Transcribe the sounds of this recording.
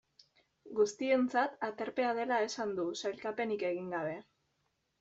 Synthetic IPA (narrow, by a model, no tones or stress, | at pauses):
ɡust̪ie̞nt͡sat̪at̪e̞ɾpe̞að̞e̞lae̞sand̪usajlkape̞nike̞ɣ̞iŋɡaβ̞e̞